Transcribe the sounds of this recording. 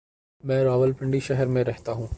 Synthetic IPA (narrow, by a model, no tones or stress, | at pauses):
mɛ̃ːɾaːʋəlpɪ̃ɳɖiʃɛɦəɾmẽɾɛɦt̪aɦũː